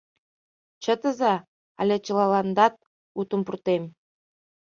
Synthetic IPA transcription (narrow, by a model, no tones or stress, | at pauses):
t͡ɕə̆t̪ə̆zɑ | ɑ̰lʲet͡ɕə̆lɑlɑnd̪ɑt̪̚ | ut̪ə̆mpurt̪em